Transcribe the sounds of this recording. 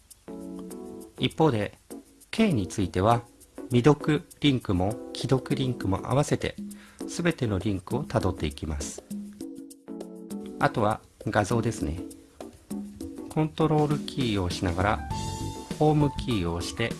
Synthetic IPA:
ipːo̞ːd̪e̞ | ke̞ːɲ̟it͡sɨit̪e̞β̞a | mʲid̪o̞kɯ̟ɾʲĩŋkɯ̟mo̞kʲʰid̪o̞kɯ̟ɾʲĩŋkɯ̟mo̞̰ʔa̰β̞ase̞t̪e̞̰sɨbe̞t̪e̞no̞ɾʲĩŋkɯ̟o̞t̪ad̪o̞t̪ːe̞ikʲimasɨ̥ | at̪o̞βa | ɡazo̞ːd̪e̞sɨne̞ | kʰõ̞nt̪o̞ɾo̞ːɾɯ̟kʲʰiːo̞ːɕinaɡaɾa | ho̞ːmɯ̟kʲiːo̞ːɕi̥t̪e̞

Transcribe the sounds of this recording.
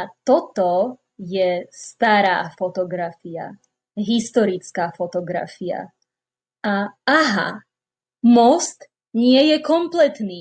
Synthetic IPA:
at̪ɔt̪ɔ | jɛst̪aɾa̰ːfɔt̪ɔɡɾafia̰ | ɦist̪ɔɾit͡skaːfɔt̪ɔɡɾa̰fia̰ | aaɦa̰ | mɔst̪ | ɲɪɛjɛkɔmplɛt̪niː

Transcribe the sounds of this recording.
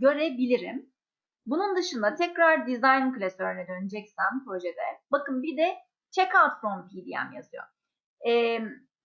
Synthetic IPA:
ɟø̞ɾebilʲiɾḭm | bunund̪ɯʃɯnd̪at̪ʰɛcɾaɾd̪izajnmkɯlʲɛst̪øɾynɛd̪ønid͡ʒɛcsæmpɾo̞ʒed̪ɛ̰bakɯmbid̪ɛ | t͡ʃʰɛkalt̪sonpʰiːd̪ija̰mja̰z̥ɯjo̞̰ | ɛm

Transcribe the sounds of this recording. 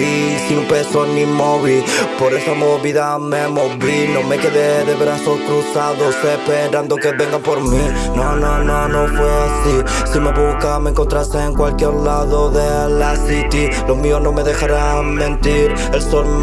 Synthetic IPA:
isinupesonimoβipo̞ɾe̞samo̞βiða | me̞mo̞βinõ̞me̞ke̞ðeðeβeɾasolkɾusaðosepe̞ɾand̪o̞ke̞βe̞ŋɡapo̞ɾmi | nonõnonõfweasi | sime̞βukamẽŋko̞nt̪ɾaseːŋkwalkjeɾlaðo̞ðe̞ | lasit̪i | lo̞mio̞nome̞ðe̞xaɾa | mẽ̞nt̪iɾ | elsol

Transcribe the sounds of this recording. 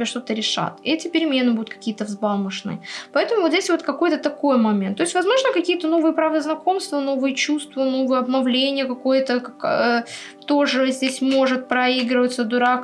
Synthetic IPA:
eʂt̪o̞t̪əɾʲɪʂa̰t̪ɛtʲɪpʲɪɾʲɪmʲe̞nːɨbud̪ʊt̪̚kɐ̥kʲijət̪əvzbalˠmɨʂnɨ̰pɐɛt̪əmʊvozʲesʲvo̞t̪kɐko̞jt̪ət̪ɐko̞jmɐmʲent̪ːo̞ɪsʲtʲvɐzmo̞ʐnəkɐkʲijət̪əno̞vɨjəpɾavəznɐko̞mst̪vəno̞vɨjət͡ɕust̪vəno̞vɨjəɐbnɐvlʲenʲɪjəkɐko̞jət̪əkɐk | t̪o̞ʐɨzʲdʲesʲmo̞ʐɨt̪̚pɾɐiɡɾɪvət̪səd̪ʊɾak

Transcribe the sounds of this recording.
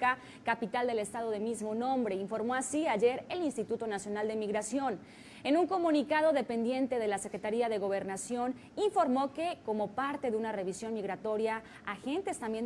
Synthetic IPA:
ka | kapit̪ald̪e̞le̞st̪að̞o̞ðe̞mizmo̞nõ̞mbɾe̞iɱfo̞ɾmo̞asiaʝe̞ɾe̞linst̪it̪ut̪o̞nasjo̞nald̪e̞miɣɾasjo̞n | e̞nũŋko̞mũnikað̞o̞ðepe̞nd̪je̞nt̪e̞ð̞e̞lase̞kɾe̞t̪aɾiaðe̞ɣo̞β̞e̞ɾnasjo̞n | iɱfo̞ɾmo̞ke̞ko̞mo̞paɾt̪e̞ðunare̞βisjo̞nmiɣɾat̪o̞ɾja | axe̞nt̪e̞st̪ambje̞n

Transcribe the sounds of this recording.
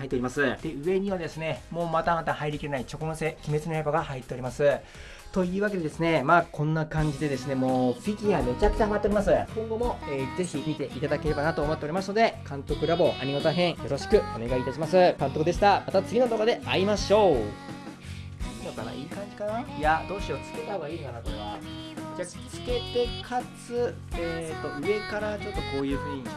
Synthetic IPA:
hait̪ːeɾʲimasɨd̪̥e̞ɯ̟βe̞ɲ̟iβad̪e̞sɨne̞mo̞ːmat̪amat̪ahaiɾʲikʲiɾe̞nait͡ɕo̞konose̞kʲime̞t͡sɨnoeboɡahait̪ːe̞o̞ɾʲimasɨ | t̪o̞ijɯ̟ːβake̞d̪e̞d̪esɨne̞makʰõ̞nːakãɲ̟d͡ʑid̪e̞d̪e̞sɨne̞mo̞ːɸʲiɡʲiɡad̪oot͡ɕakɯ̥taɦamat̪ːeɾʲimasɨkõ̞ŋɡo̞mo̞ed͡ze̞çimʲit̪e̞ʔit̪ad̪ake̞ɾe̞banat̪oːmot̪ːeoɾimasɨno̞d̪e̞kãnt̪o̞kɯ̟ɾabo̞ʔa̰ɲ̟inot̪aɦẽ̞ɰ̃jo̞ɾo̞ɕi̥kɯ̟o̞ne̞ɡaiːt̪aɕimasɨkãnt̪o̞kɯ̟d̪e̞ɕi̥t̪amat̪at͡sɨɡʲino̞t̪okod̪e̞aimaɕo̞ː | inok̪ana̰iːkãɲ̟d͡ʑi̥kanajad̪o̞ːɕio̞t͡sɨ̥ke̞t̪aho̞ɡaiːkanakoɾe̞βa̰ | d͡ʑaː | t͡sɨ̥ke̞t̪e̞kʰat͡sɨ | et̪o̞ʔɯe̞kaɾat͡ɕo̞t̪ːo̞ko̞ːjɯ̟ːɸɯ̟ːɲ̟i

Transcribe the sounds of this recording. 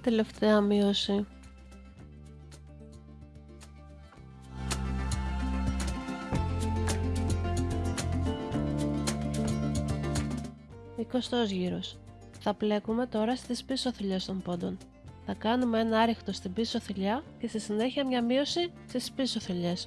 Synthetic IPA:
t̪e̞le̞ft̪e̞ɐmio̞si | iko̞st̪o̞zʝiɾo̞s | θɐple̞kume̞t̪o̞ɾɐst̪ispiso̞θiʎe̞st̪o̞mpo̞d̪o̞n | θɐkɐnumee̞nɐɐɾixt̪o̞st̪ibiso̞θiʎɐce̞st̪isine̞çiɐmɲɐmio̞sist̪ispiso̞θiʎe̞s

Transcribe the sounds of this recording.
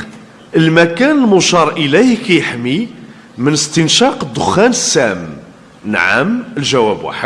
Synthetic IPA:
ʔəlmækænəlmʊʃɑɾˤʔəlæhkæjəħmi | mənəst̪ənʃɑqəd̪ːʊxːænəsːæm | nʕa̰məlʒæwæbwa̰ħəd̪̚

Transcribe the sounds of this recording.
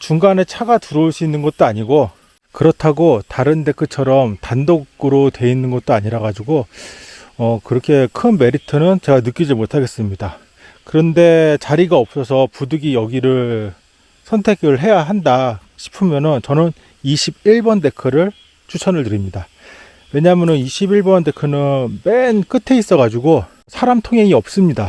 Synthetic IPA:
t͡ɕuŋɡane̞t͡ɕʰaɡatuɾɯɭs͈uinːɯnɡʌt̚t͈oaɲiɡo | kɯɾʌtʰaɡotaɾɯnde̞kʰɯt͡ɕʰʌɾʌmtandoɡɯɾotwe̞inːɯnɡʌt̚t͈oaɲiɾaɡad͡ʑiɡo | ʌkɯɾʌkʰe̞kʰɯnme̞ɾitʰɯnɯnt͡ɕe̞ɡanɯk͈id͡ʑimotʰaɡe̞s͈ɯmɲida | kɯɾʌnde̞t͡ɕaɾiɡaʌp̚s͈ʌsʰʌpudɯɡijʌɡiɾɯɭ | sʰʌntʰe̞ɡɯɭɦe̞jaɦandaɕʰi̥pʰɯmjʌnɯnt͡ɕʌnɯn | iɕʰibiɭbʌnde̞kʰɯɾɯɭ | t͡ɕʰut͡ɕʰʌnɯɭtɯɾimɲida | we̞ɲaɦamjʌnɯniɕʰibiɭbʌnde̞kʰɯnɯnmenk͈ɯtʰe̞is͈ʌɣad͡ʑuɡo | sʰaɾamtʰoŋɦeŋiʌp̚s͈ɯmɲida

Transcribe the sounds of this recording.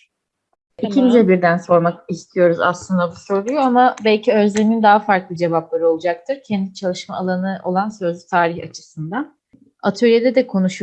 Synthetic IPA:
icʰinizɛbiɾd̪ænso̞ɾmakist̪ʰijo̞ɾuza̰slˠɯnd̪abusoɾlˠujoamabɛlʲcʰiø̞zlʲemind̪aɦafaɾklˠɯd͡ʒe̞vap̚lˠaɾɯo̞lˠud͡ʒak̚t̪ʰɯɾcʰɛnd̪it͡ʃʰalˠɯʃmaːlˠanɯʔo̞̰lˠansø̞zlʲyt̪ʰaːɾihat͡ʃʰɯ̥sɯnd̪an | a̰t̪ʰølʲijed̪ɛd̪ɛkʰo̞nuʃu

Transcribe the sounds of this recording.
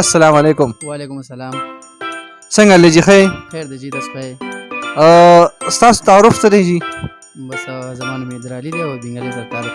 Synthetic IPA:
ɐsːɐlaːmaleːkʊmwaːlekʊmɐsːɐlaːm | sɐŋɡaled͡ʒixajexeːɾd̪ed͡ʒid̪ɐsxɐje | st̪ɑːso̥t̪aːɾʊfst̪ad̪ed͡ʒi | bɐszɐmaːnmed̪ɾaːlid̪aobiŋɡaled̪ɐɾt̪aːl

